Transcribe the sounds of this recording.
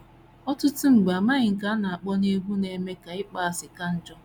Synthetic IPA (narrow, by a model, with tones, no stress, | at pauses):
ɔ˦tʊ˦tʊ˦ŋ͡m̩˨ɡ͡ba˨ma˦ɲɪ˨ŋ̩˨ka˦na˨a˨k͡pɔ˦ne˦ɦʷu˦ne˨me˦ka˨ɪ˦k͡pa˦a˨sɪ˨ka˦n̩˦d͡ʒɔ˦